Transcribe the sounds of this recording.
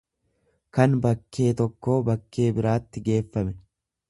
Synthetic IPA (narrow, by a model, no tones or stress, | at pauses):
kɐnbɐkːe̞ːt̪ɔkːo̞ːbɐkːe̞ːbɪɾaːt̪ːɪɡe̞ːfːɐmɛ